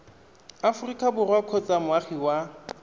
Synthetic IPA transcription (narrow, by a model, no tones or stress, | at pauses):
afʊrikʼabʊrwakʰot͡sʼamʊaχiwa